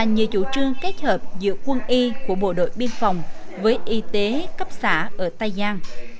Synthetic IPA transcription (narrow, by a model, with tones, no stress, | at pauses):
aː˨˩ɲɨ˨˩əwt͡ɕu˧˩t͡ɕɨ˧əŋke˦˥t̚həː˨˩p̚zɨ̰˧˥əkwə˧nʔi˧ku˧˩əɓo̰˧˨ɗo̰˧˨jɓi˧ənfa˨˩wŋ͡mvəː˨˦jʔi˨˦t̪e˨˦kə˦˥p̚saː˧˩ʔəː˧˩t̪a˧jzaː˧n